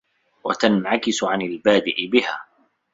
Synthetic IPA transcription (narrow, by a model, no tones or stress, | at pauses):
wa̰t̪anʕakɪsʊʕanalbaːd̪ɪʔɪbɪhaː